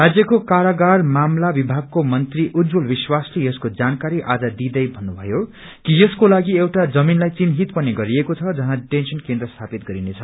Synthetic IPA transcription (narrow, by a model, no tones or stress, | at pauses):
rad͡zjʌkokaɾaɡarmamlabibʱaɡ̚komʌnt̪riʔut̪d͡zulbiswaslejʌskod͡zankaɾiʔad͡zʌd̪id̪ʌjbʱʌnːubʱʌjo | kijʌskolaɡiewʈad͡zʌminlajt͡sinɦit̪pʌniɡʌɾiekot͡sʰʌd͡zʌɦaʈensʌnkend̪rʌst̪ʰapit̪̚ɡʌɾinet͡sʰʌ